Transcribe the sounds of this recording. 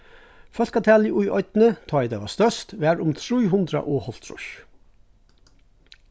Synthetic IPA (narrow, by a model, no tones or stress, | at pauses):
fœskɑt̪ʰæːliʔʊʏʔœʏt̪n̩ət̪ʰɑːiːd̪eːʋɑst̪œʃt̪ʋeæːɹʊmt̪ʰɾuːhʉnd̪ɾɑ̰ʔoːhɔlt̪ʰɾʊ̰ʃ